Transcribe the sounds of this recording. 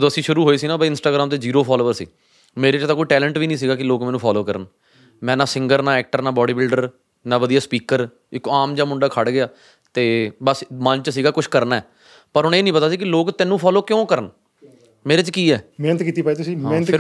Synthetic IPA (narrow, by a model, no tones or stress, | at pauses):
əd̪oːəsĩːʃʊɾuːɦoːiːsiːnãːbəːɪnsʈaːɡɾaːmt̪eːd͡ʒiːɾoːpʰɔːloːəɾsḭː | meːɾeːt͡ʃt̪aːkoːiːʈɛːləɳʈʋiːnĩːs̬iːɡaːkɪloːkmɛːnũːpʰɔːloːkəɾən | mɛ̃ːnãːsɪ̃ŋɡəɾnãːɛːk̚ʈəɾnãːbɔːɖiːbɪlɖəɾ | naːʋəd̪ijaːspiːkəɾ | ɪkaːmd͡ʒãːmʊɳɖaːkʰəɽɡɪjaː | t̪eːbəsmənt͡ʃsiːɡaːkʊʃʰkəɾnaːɛː | pəɾɦʊɳeːnĩːpət̪aːsiːkɪloːkt̪ɛːnːũːpʰɔːloːkjõːkəɾən | meːɾeːt͡ʃkiːɛːmeːnət̪kiːt̪iːpaːet̪ʊsĩːenɪɾ